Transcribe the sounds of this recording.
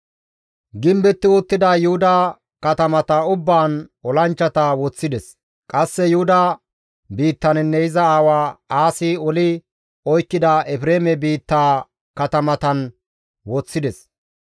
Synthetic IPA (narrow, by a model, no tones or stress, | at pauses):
ɡɪmbɛt̪ːɪwʊt̪ːɪd̪ɐjʊhʊd̪ɐ | kɐt̪ɐmɐt̪ɐʊbːaːnɔlɐnt͡ʃːɐt̪ɐwɔt͡sːɪd̪ɛs | kʼɐsːɛjʊhʊd̪ɐ | biːt̪ːɐnnːɛɪzɐaːwaːaːsɪɔlɪ | ɔjkːɪd̪ɐɛfɾeːmɛbiːt̪ːaː | kɐt̪ɐmɐt̪ɐn | wɔt͡sːɪd̪ɛs